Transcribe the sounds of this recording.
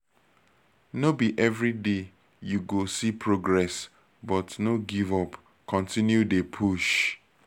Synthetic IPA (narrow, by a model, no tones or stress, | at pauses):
nobiʔɛvɹide | juɡosipʰɹoɡɹɛs | bɔtnoɡivɔp | kɔ̃ntĩnjudepʰuʃ